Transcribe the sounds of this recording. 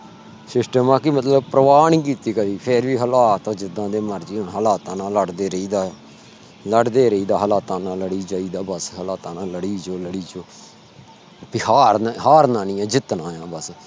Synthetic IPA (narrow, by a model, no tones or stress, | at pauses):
sɪsʈəmãːkimət̪ləbpɾəʋaːniːk̬iːt̪iːkəɾiːpʰeɾʋiːɦəlaːt̪õːd͡ʒɪd̪ãːd̪eːməɾd͡ʒiːɦʊɳɦəlaːt̪ãːnãːləɽd̪eːɾəiːd̪aː | ləɖd̪eːɾəiːd̪aːɦəlaːt̪ãːnãːləɽiːd͡ʒaːiːd̪aːbəsɦəlaːt̪ãːnãːləɽiːd͡ʒoːləɽiːd͡ʒoː | pɪhaːɾɦaːɾnãːnĩːɛ̃ːd͡ʒɪt̪nãːjãːbəs